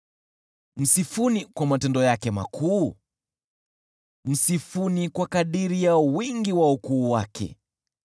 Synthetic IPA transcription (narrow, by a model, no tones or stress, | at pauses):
m̩sifunikwamatɛndɔjakɛma̰kʰuː | m̩sifunikwakaɗiɾijawiŋɡiwaukuːwakʰɛ̰